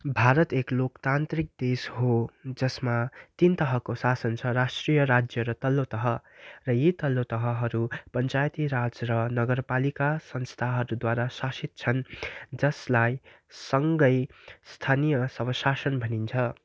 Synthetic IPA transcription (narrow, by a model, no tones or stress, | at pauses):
bʱaɾʌt̪eklokt̪ant̪rik̚d̪esɦod͡zʌsmat̪int̪ʌɦʌkosasʌnt͡sʰʌrasʈrijʌɾad͡zjʌɾʌt̪ʌlːot̪ʌɦʌrʌjet̪ʌlːot̪ʌɦʌɦʌɾupʌnt͡sajt̪iɾad͡zrʌnʌɡʌrpalikasʌnst̪ʰaɦʌɾud̪waɾasasit̪̚t͡sʰʌnd͡zʌslaj | sʌŋɡʌjst̪ʰanijʌsʌbʌsasʌnbʱʌnint͡sʰʌ